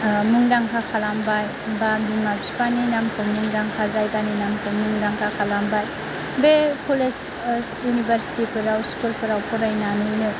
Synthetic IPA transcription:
muŋdaŋkʰakʰalambaj | bamimapsipaninamkʰommuŋdaŋkʰazajɡaninamkʰɯmnuŋdaŋkʰakʰalambaj | bepʰules | junibʱaɾsi̥tipʰɯɾawskulpʰɯɾawpʰɔɾajnaninɯ

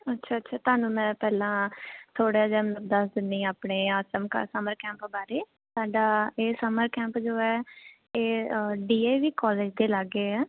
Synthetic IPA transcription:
ətːʃʰaːtːʃʰaːt̪ʊaːnũːmɛ̃ːpɛːlãːt̪ʰoːɽaːd͡ʒɛːmnəkd̪əsd̪ɪnːiːaːpɳeːəsəmkə̰səməɾkɛ̃ːmpbaːɾeː | saːɖaːeːsəməɾkɛ̃ːmpd͡ʒoːɛː | eːɖiːeːʋiːkɔːleːd͡ʒd̪eːləɡeːɛː

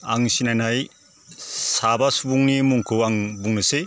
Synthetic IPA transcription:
aŋsinajnaj | sabasubuŋnimuŋkʰɯwaŋbuŋnɯse

